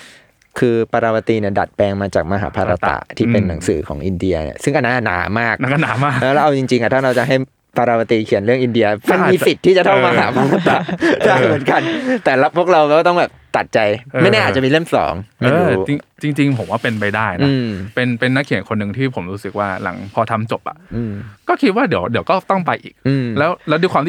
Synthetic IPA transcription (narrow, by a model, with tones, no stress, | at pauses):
kʰɯː˧pa˧ɾaː˧wa˧t̪iː˧ni˥˩ɐda˨˩t̪̚pɛː˧ŋmaː˧t͡ɕa̰ː˨˩k̚ma˧ɦa̰ː˩˦pʰa˧ɾa˧t̪a̰˨˩t̪ʰiː˥˩pe˧nːa˩˦ŋsɯː˩˦kʰɔ̰ː˩˦ŋʔi˧ndi˧ɐnḭ˧˩sɯ˥˩ŋʔa˧na˦˥ʔa˨˩na̰ː˩˦maː˥˩k̚na˦a˧˨naː˩˦maː˥˩lɛː˦˥wlːʔa˧wt͡ɕi˧ŋt͡ɕi˧ŋʔa˨˩t̪ʰaː˥˩ɾa˧wt͡ɕa˨˩ɦa˥˩j | pa˧ɾaː˧wa˧t̪i˧kʰi˨˩˦nɾɯ˥˩əŋʔi˧ndi˧ɐma˧nm˧iː˧si˨˩t̪ʰːiː˥˩t͡ɕa˨˩t̪ʰa˥˩wma˧ɦa̰ː˩˦pʰa˧ɾa˧t̪a˨˩daː˥˩jmɯ˨˩˦ə˦nka˧nt̪ɛː˨˩la˦˥pʰu˥˩kɾa˧wɛ˧˥waː˥˩t̪ɔ˥˩ŋbɛː˨˩p̚t̪a˨˩t̪̚t͡ɕa˧jʔːa˥˩jnɛː˥˩ʔaː˨˩t͡ɕa˨miː˧lɯ˥˩əmsɔ̰ː˩˦ŋma˥˩ɤː˩˧ɾuː˦t͡ɕi˧ŋt͡ɕi˧ŋt͡ɕi˧ŋpʰo˨˩˦mwaː˥˩pe˧npa˧jdaː˥˩jnʔaɯ˦˥˧mpe˧npe˧nːa˦˥kʰi˩ə˦nkʰo˧nːɯ˨˩ŋt̪ʰiː˥˩pʰo˩˦mɾuː˦sɯ˨˩k̚waː˥˩la̰˩˦ŋpʰɔː˧t̪ʰa˧mt͡ɕo˨˩p̚ʔa̰˨˩ʔɯː˧mkɔː˥˩kʰi˦˥t̪̚waː˥˩di˩˦əwdi˩˦əwkɔː˥˩t̪ɔ˥˩ŋpa˧jʔḭː˨˩k̚ʔɯː˧mlɛː˦˥wlɛː˦˥wduː˧kʰwaː˧mt̪ʰ